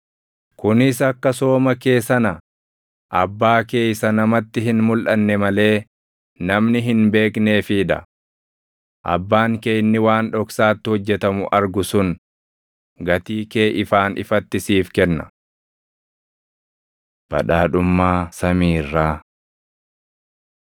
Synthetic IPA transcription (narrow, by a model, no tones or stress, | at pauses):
kʊnɪsɐkːɐso̞ːmɐke̞ːsɐnɐ | ʔɐbːaːke̞ːjsɐnɐmɐt̪ːɪɦɪnmʊlʔɐnːɛmɐle̞ː | nɐmnɪɦɪnbe̞ːkne̞ːfiᶑɐ̰ | ʔɐ̰bːaːŋkejnːɪwaːnᶑɔksaːt̪ːɪhɔd͡ʒːɛt̪ɐmʊʔɐɾɡʊsʊn | ɡɐt̪iːkeːʔɪfaːnʔɪ̰fɐt̪ːɪsiːfkɛnːɐ̥̰ | b̥ɐ̰ᶑaːᶑʊmːaːsɐmiːrːaː